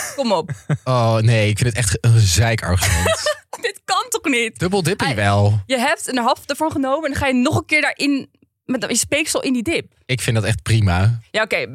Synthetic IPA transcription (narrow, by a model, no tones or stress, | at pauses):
kkɔmɔponejɪkfɪndətɛχtənzɛjkɑ̰ɹχmɛdɪtkɑntɔχnitd̥ɵbəlˠdɪpiʋɛlˠjəɦɛp̚tənəɦɑlˠfdəɹvɑnχənowməɛndɑχaːjənɔχənkɪːɹdaːɹʔɪn | madjəspejksɔlˠɪndidɪp̚ | ɪkfɪndɑtɛχt̚primaːjaːokej